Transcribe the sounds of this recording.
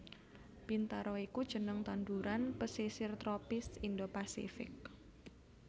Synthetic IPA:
pint̪aɾɔikud̥ʒ̥ə̤nəŋt̪and̪uɾanpəsisɪrt̪ɾopɪsind̪opasḭfɪ̰k̚

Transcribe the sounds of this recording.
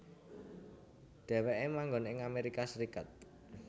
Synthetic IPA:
ɖ̪̥ɛ̤weʔemaŋɡɔnɪŋameɾikasɾikat̪̚

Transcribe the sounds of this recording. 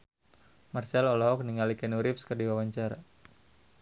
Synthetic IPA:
marsɛlɔlɔɦɔk̚niŋalikɛnuɾɪfskərdiwawaɲt͡ʃaɾa̰

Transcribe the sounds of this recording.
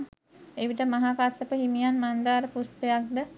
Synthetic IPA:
eʋiʈəmɐɦaːkasəpəɦimijanmand̪aːɾəpuspejak̚d̪ə

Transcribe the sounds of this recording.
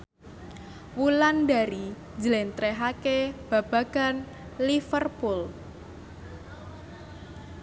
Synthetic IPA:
wulanda̤ɾi | d͡ʒəlɛnt̪ɾeɦakeb̥a̤b̥ä̤ɡ̥a̤n | lifərpul

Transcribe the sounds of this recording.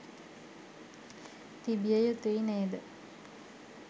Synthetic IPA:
t̪ibijəjut̪uined̪ə

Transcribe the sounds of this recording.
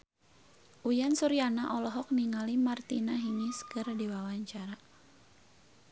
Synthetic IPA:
ʔujansuɾianaʔɔlɔɦɔk̚niŋalimart̪inaɦiŋiskɨrdiwawaɲt͡ʃaɾa

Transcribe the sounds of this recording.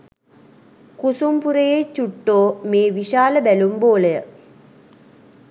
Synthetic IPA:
kusumpuɾejet͡ɕuʈːoːmeːʋiɕaːləbælumboːlejə

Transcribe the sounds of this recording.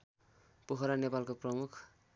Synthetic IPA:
puɦʌɾanepalkoprʌmukʰ

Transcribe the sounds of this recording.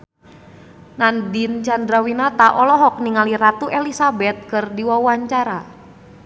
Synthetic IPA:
nandint͡ʃandɾawinat̪aʔɔlɔɦɔk̚niŋalirat̪uʔelisabɛt̪̚kɨrdiwawaɲt͡ʃaɾa

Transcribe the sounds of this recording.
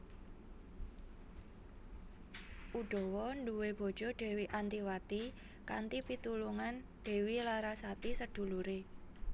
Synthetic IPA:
ʔuɖ̥ɔ̤wɔnɖuweb̥ɔ̤d̥ʒ̥ɔ̤ɖ̥ɛ̤wiʔant̪iwat̪i | ka̰nt̪ipit̪uluŋan | ɖ̥ɛ̤wilaɾasat̪isəd̪̥ṳluɾe

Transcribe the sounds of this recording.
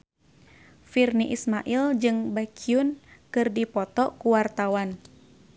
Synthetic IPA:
firniʔismaʔild͡ʒɨŋbakʰiunkɨrdipɔt̪ɔkuwart̪awan

